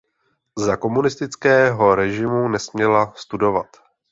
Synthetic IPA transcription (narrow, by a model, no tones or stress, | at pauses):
zako̞munɪst̪ɪt͡skɛːɦo̞ɾɛʒɪmunɛsmɲɛlast̪udo̞vat̪